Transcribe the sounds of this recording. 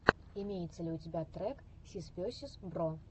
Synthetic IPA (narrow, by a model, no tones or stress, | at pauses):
imʲejɛt̪sːɐlʲɪutʲibʲat̪ɾɛk | sʲispʲɔsʲɪsbɾɔ